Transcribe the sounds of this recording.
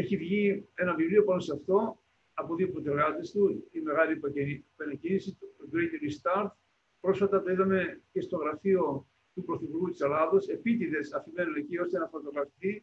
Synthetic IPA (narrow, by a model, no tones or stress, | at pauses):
e̞çivʝie̞nɐvivlio̞pɐnoseɐft̪o̞ | ɐpo̞ðiopɾot̪eɾɣɐt̪e̞st̪uime̞ɣɐlipɐnɐcinisid̪ɾenilist̪ɐɾt̪ | pɾo̞sfɐt̪ɐt̪oiðɐme̞ce̞st̪o̞ɣɾɐfio̞ | t̪upɾoθipuɾɣut̪i̥selɐðose̞pit̪iðe̞sɐfime̞nune̞cio̞st̪enɐfot̪oɣɾɐfit̪i